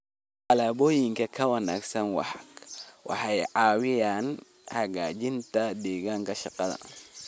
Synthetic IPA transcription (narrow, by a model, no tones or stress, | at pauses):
ʔɐlaːbɔːjɪŋkʰɐkʰɐwɐna̰ːɡsɐnwɑ̰ħɑɡwʔɑ̰ħɑjʕaːwɪjaːn | hɐɣaːd͡ʒɪnt̪ʰɐd̪ɛːɣaːŋkɐʃɑqɐðɐ̰